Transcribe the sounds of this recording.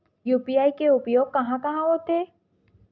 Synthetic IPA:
jupijajkeupjoɡ̚kɐɦãkɐɦãɦot̪e

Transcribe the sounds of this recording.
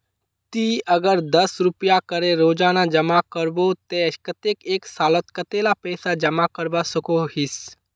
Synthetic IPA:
t̪iɐɡəɾd̪ɐsɾʊpijakɐɾeɾoːd͡ʒaːnad͡ʒɐmakəɾbot̪ɛːkət̪eːkeːksaːlət̪kɐt̪eːlapɛːsad͡ʒɐmakəɾbasɐkohɪs

